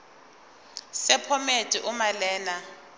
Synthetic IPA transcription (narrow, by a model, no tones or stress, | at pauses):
sɛpʰɔmetʼiʔʊmalɛːna